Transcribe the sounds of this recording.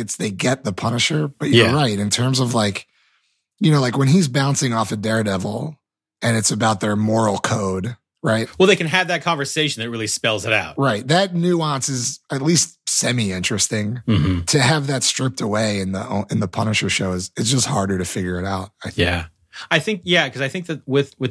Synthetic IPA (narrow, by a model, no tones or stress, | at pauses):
ɨtsðeɪɡɛt̪̚ðəpʰʌnɨʃə˞b̥ʌt͡ʃə˞ɹaɪɾɨ̃ntʰɜ̃˞mzʌvlaɪk | jɨñoʊlaɪkwɨ̃nizbãʊ̃nsɪ̃ŋɔfɨdɛɹdɛvl̩ˠ | ɨ̃nɨtsɨbaʊt̪̚ðə˞mɔɹl̩ˠkʰoʊd | ɹaɪt̚wɛlˠðeɪkɨ̃nɨvðɨt̚kʰɑ̃ɱvə˞seɪʃn̩ɨt̚ɹɪlˠispɛlˠzɨɾa̰ʊt̚ɹaɪt̚ðɨt̚ⁿnʉɑ̃nsɨzɨtˡlistsɛmiɪ̃nt͡ʃɹ̥ɨstɪ̃ŋm̩m̥m̩tʰɨːvðɨtstɹ̥ɪp̚təweɪɨ̃nðḭoɨ̃nðəpʰʌnɨʃə˞ʃoʊɨzɨtsd̥ʒ̥ʌst̚hɑɹɾə˞ɾɨfɪɡjə˞ɨɾaʊt̚aɪθjæ̰ | aɪθɪ̃ŋkjækʰʌzaɪθɪ̃ŋk̚ðɨt̚wɪðwɨ